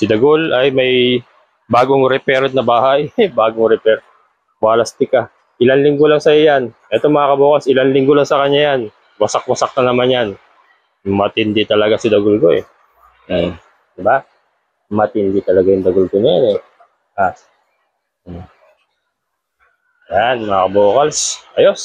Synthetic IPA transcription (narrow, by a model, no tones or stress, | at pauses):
sɪd̪ɐɡolʔɐjmɐj | baːɡoŋɾɛpɛɾt̪nɐbaːhajbaːɡoŋɾɛpɛɾ | waːlɐst̪ɪkɐ | ʔɪlanlɪŋɡolɐŋsɐjojanʔɛt̪omɐŋakɐboːkɐsɪlanlɪŋɡolaŋsɐkɐɲːajan | wɐsɐk̚wɐsɐk̚t̪ɐnɐmanjan | mɐt̪ɪnd̪ɪt̪ɐlɐɡasɪd̪ɐɡʊlɡo̰ʔɛ̰ | d̪̥ɪba | mɐt̪ɪnd̪ɪt̪ɐlɐɡajʊŋd̪ɐɡʊlɡonɐjanɛ | ʔa | janmɐŋakɐboːkɐlsʔɐjos